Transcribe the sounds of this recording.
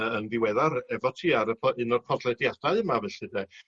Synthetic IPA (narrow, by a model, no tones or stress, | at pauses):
əənðɪwɛðaɾɛvɔtʰiːaɾəpʰɔɨnɔr̥pʰɔdlˠɛdjad̥aɨɨmavɛɬɨdɛ